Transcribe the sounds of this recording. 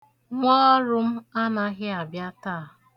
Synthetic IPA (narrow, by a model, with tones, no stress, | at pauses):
ŋʷɔ˦ɾʊ˦m̩˦a˦na˦ɣɪ˦a˨bja˦taː˦˨